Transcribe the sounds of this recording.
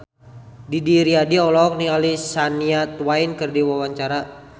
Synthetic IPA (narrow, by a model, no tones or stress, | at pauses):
didiɾiadiɔlɔk̚nialisaniat̪wainkərdiwawaɲt͡ʃaɾa